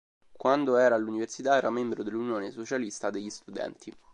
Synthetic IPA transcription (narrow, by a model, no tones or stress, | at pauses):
kwand̪oɛːɾaluniversit̪aɛːɾamembɾod̪elːunjoːnesot͡ʃalist̪ad̪eʎːist̪ud̪ɛ̰nt̪ʰi